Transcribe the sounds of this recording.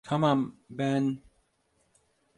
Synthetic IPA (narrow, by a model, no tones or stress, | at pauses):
tʰamambɛn